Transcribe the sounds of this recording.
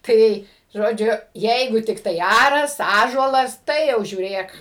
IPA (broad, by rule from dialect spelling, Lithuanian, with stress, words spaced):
ˈtɐɪ ˈʒoːd͡ʒʲʊ ˈjɛɪɡʊ tʲɪkˈtɐɪ ˈɑːrɐs ˈɑːʒuɔlˠɐs ˈtɐɪ jɛʊ ʒʲuːˈrʲeːk